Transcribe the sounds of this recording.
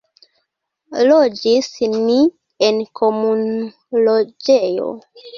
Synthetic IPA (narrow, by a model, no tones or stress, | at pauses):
lod͡ʒisni | enkʰomun | lod͡ʒejo̰